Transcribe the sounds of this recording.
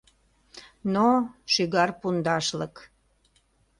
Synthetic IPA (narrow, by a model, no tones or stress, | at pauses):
noʃyɣɑrpund̪ɑʃlək